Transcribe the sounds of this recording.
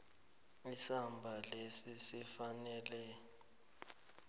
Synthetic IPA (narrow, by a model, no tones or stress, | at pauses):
isambʱalesisifanɛːlɛ